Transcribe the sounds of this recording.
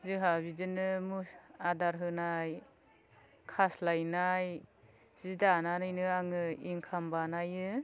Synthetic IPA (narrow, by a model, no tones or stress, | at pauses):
zɯɦabizɯnɯmusadaɾɦɯnaj | kʰaslajnaj | z̥idananɯjnɯaŋɯiŋkʰambanajɯ